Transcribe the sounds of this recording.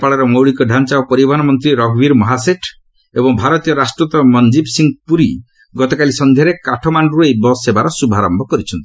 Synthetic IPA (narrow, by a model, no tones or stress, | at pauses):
paɭɔɾɔmowɽikɔɖʱant͡ʃaopɔɾibanɔmɔnt̪ɾiɾɔɡbiɾmɔɦaseʈʰ | ebɔŋbʱaɾɔt̪ijɔɾasʈɾut̪ɔmɔnd͡ʒibsiŋɡpuɾi | ɡɔt̪ɔkalisɔnd̪ʱjaɾekaʈʰɔmaɳɖuɾejbɔsebaɾɔsubʱaɾɔmbʱɔkɔɾit͡ʃʰɔnt̪i